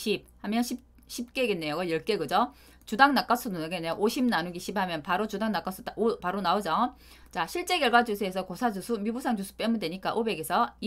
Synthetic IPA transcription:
ɕʰip̚hamjʌnɕʰi | ɕʰip̚k͈e̞ɡenːejoɡʌjʌɭk͈eɡɯd͡ʑo | t͡ɕudaŋnak͈as͈ʰunonaɡenːejoʔoɕʰimnanuɡiɕ͈ʰiphamjʌnpaɾot͡ɕudaŋnak͈asʰudaopaɾonaod͡ʑo | t͡ɕaɕʰiɭt͡ɕ͈e̞ɡjʌɭɡwad͡ʑusʰue̞sʰʌkosʰad͡ʑusʰumjubusʰaŋd͡ʑusʰu̥p͈e̞munde̞ɲik͈aʔobe̞ɡe̞sʰʌi

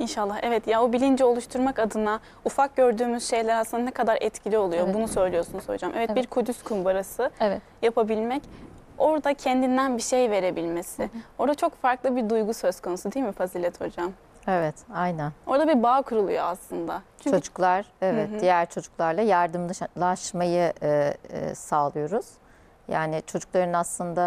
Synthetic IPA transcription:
inʃalˠːahɛvɛt̪jaobilʲind͡ʒɛo̞lˠuʃt̪ʰuɾmakad̪ɯna | ufak̚ɟø̞ɾd̪yːmyz̥ʃe̞jlʲæɾasɯnd̪anɛkʰad̪aɾɛ̰t̪cʰilʲio̞lˠujo̞bunusø̞jlʲijosunuz̥ho̞̰d͡ʒamʔevɛt̪biɾkʰud̪yskʰumbaɾasɯ | japʰabilʲmɛc | o̞ɾd̪acʰɛnd̪ind̪ænbiʃe̞jve̞ɾe̞bilʲme̞sɪo̞ɾd̪at͡ʃʰo̞kfaɾklˠɯbiɾd̪ujɡusø̞z̥kʰo̞nusud̪ejilʲmifazilʲɛt̪ʰho̞̰d͡ʒam | evɛt̪ajnæno̞ɾd̪abibaːkʰuɾulˠṵjoaslˠɯnd̪at͡ʃʰyt͡ʃʰod͡ʒu̥klˠaɾ̥evɛt̪d̪ijæɾt͡ʃʰo̞d͡ʒuklˠaɾlˠajaɾd̪ɯmˠaʃmajɯʔ | saːlˠɯjo̞ɾuz̥ | ja̰ːnɪt͡ʃʰo̞d͡ʒuk̚lˠaɾɯnaslˠɯnd̪a

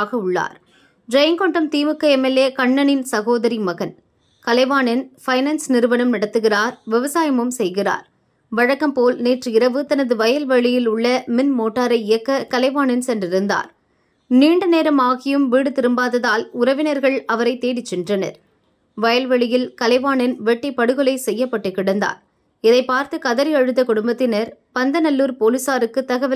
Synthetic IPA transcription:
ɣɐʊɭːa̰ːɾ | d͡ʒɐjŋkɔɳɖɐmt̪iːʋɯkːɐɛmɛleːkɐɳːɐnɪnsɐɣoːðɐɾimɐɣɐn | kɐlɐɪʋaːnɐnfɐɪnɐnsnɪɾɯʋɐnɐmnɐɽɐt̪ːɯɣɪraːɾʋɪʋɐsaːjɐmɯmsɛjɣɪra̰ːɾ | ʋɐɻɐkːɐmpoːlneːʈrɯɪɾɐʋɯt̪ɐnɐðɯʋɐjɐlʋɐɭɪjɪlʊɭːɐmɪnmoːʈːaːɾɐɪɪjɐkːɐkɐlɐɪʋaːnɐnsɛndrɪɾɯnd̪a̰ːɾ | niːɳɖɯneːɾɐmaːɣɪjɯmʋiːɽɯt̪ɪɾɯmbaːðɐðaːlʊɾɐʋɪnɐɾɣɐɭɐʋɐɾɐɪt̪ːeːɽɪt͡ʃːɪndrɐnɐ̰ɾ | ʋɐjɐlʋɐɭɪjɪlkɐlɐɪʋaːɳɐnʋɛʈːɪpːɐɽɯɣɯlɐɪsɛjːɐpːɐʈːɯkːɪɽɐnd̪a̰ːɾ | ɪðɐɪpːaːɾt̪ɯkɐðɐɾɪɐɻɯt̪ːɐkʊɽʊmbɐt̪ːɪnɐɾpɐnd̪ɐnɐlːuːɾpoːlɯsaːɾɯkːɯt̪ːɐɣɐʋɪ

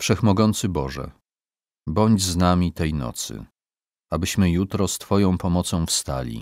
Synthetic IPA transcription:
fʂɛxmɔɡɔnt̪sɘbɔʐɛ̰ | bɔɲd͡ʑznamʲit̪ɛjnɔ̰t̪sɘ̰ | abɘɕmɘjut̪ɾɔst̪fɔjɔ̃w̃pɔmɔt̪sɔ̃w̃fst̪a̰lʲḭ

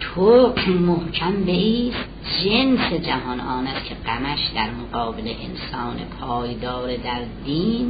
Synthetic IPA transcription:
t̪ʰomohkʰæmbe̞iːst̪̚d͡ʒensed͡ʒæɦɒnʔɒːnæst̪cʰe̞ɢæmæʃd̪æɾmoɡɒːbeleʔḛnsɒːnepʰɒːjd̪ɒːɾed̪æɾd̪iːn

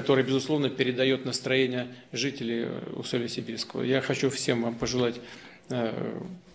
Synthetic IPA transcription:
ɐt̪o̞ɾɨjbɪzʊslˠo̞vnəpʲɪɾʲɪd̪ɐjo̞t̪nəst̪ɾɐjenʲɪjəʐɨtʲɪlʲɪjʊ̰solʲəsʲɪbʲirskəvə̰jaxɐt͡ɕufsʲe̞mvampəʐɨlˠatʲ

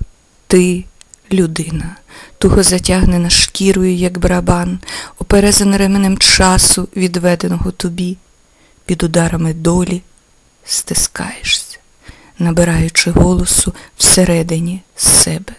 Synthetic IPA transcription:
t̪ɪ | lʲʊd̪ɪnɐt̪ɔɦɔzɐtʲaɦnenɐʃkʲiɾɔjʊjɐɡbɾɐbɑnɔpeɾɛzɐnɾɛmenemt͡ʃɑsʊʋʲid̪ʋɛd̪enɔɦɔt̪ɔbʲi | pʲid̪ʊd̪ɑɾɐmɪd̪ɔlʲi | st̪ɪskɑ̰jeʃsʲɐ̥ | nɐbeɾɑjʊt͡ʃɪɦɔlˠɔsʊw̥seɾɛd̪ɪnʲisːɛbɛ

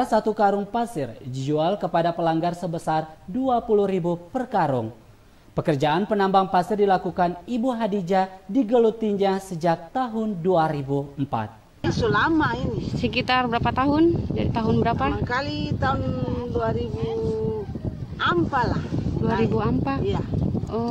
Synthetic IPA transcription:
asat̪ukaɾʊŋpasɪrd͡ʒid͡ʒualkəpadapəlaŋɡarsəbəsarduapuluhɾibupərkaɾuŋ | pəkərd͡ʒaanpənambaŋpasɪrdilakukanibuɦadid͡ʒadiɡəlut̪iɲɲasəd͡ʒak̚t̪aɦʊnduaɾibuəm̩pa̰t̪̚ | asulamainisəkit̪arbəɾapat̪aɦʊnd͡ʒadit̪aɦʊnbəɾapakalit̪aɦʊnduaɾibu | ampalahduaɾibuampajaɔ

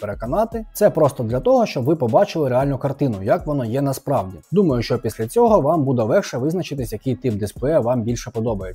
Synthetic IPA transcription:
peɾekɔnɑt̪ɪt̪sɛpɾɔst̪ɔd̪lʲɐt̪ɔɦɔʃt͡ʃɔbʋɪpɔbɑt͡ʃɪlˠɪɾeɑlʲnʊkɐrt̪ɪnʊjɐkʋɔnɔjɛnɐspɾɑwdʲid̪umɐjʊʃt͡ʃɔpʲisʲlʲɐt͡sʲɔɦɔʋɑmbud̪ɛʋɛxʃɛʋɪznɐt͡ʃɪt̪ɪsʲjɐkɪjt̪ɪp̚d̪ɪsplˠɛɐʋɑmbʲilʲʃɛpɔd̪ɔbɐje

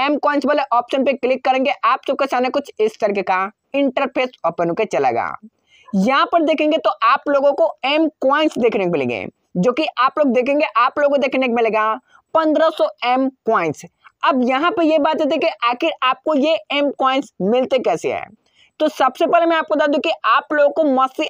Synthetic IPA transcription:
ɛːmkwɔːɪ̃nsbəːleʔɔːpʃənpeklɪkːɐɾẽːŋɡeʔaːpsɐb̚kesaːnekʊt͡ʃʰɪst̪ɐɾiːkeka | ɪ̃ɳʈəɾpʰeːsɔːpənõket͡ʃɐla̰ːɡa̰ː | jɐɦãpɐɾd̪eːkʰẽːŋɡet̪oʔaːploːɡõkoɛːmkwaːɪ̃nsd̪eːkʰnekmɪlḛ̃ːŋɡḛː | d͡ʒoːkiʔaːploːɡ̚d̪eːkʰẽːŋɡeʔaːploːɡod̪eːkʰnekmɪleːɡa | pɐ̃nd̪ɾasɔɛmkwaːɪ̃nsɐbjɐɦãpɐjebaːt̪jat̪̬ikiʔaːxɪɾʔaːp̚kojeɛːmkwaːɪ̃nsmɪlt̪ekɛːsḛɦɛ̰ː | t̪oːsɐbsepɛːlemɛ̃aːp̚kod̪aːd̪ũkiʔaːploːɡõkomɐsi

